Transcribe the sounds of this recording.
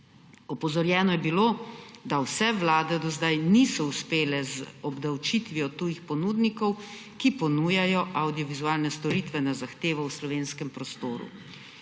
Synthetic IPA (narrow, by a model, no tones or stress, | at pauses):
ɔpɔzɔɾjɛːnɔjɛbiloːd̪awsɛʋlaːd̪ɛd̪ɔzd̪ajnisɔuspeːlɛzɔbd̪awt͡ʃit̪ʋiɔt̪uːjixpɔnuːd̪nikɔw | kipɔnuːjajɔʔawd̪ijɔʋizuaːlnɛst̪ɔɾiːt̪ʋɛnazaxt̪eːʋɔwslɔʋeːnskɛmpɾɔst̪oːɾṵ